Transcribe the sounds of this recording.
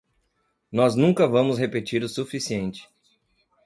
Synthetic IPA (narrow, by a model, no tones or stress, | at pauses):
nɔznũŋkɐvɐ̃mʊsɦepet͡ʃiɾʊsufisiẽnt͡ʃɪ̥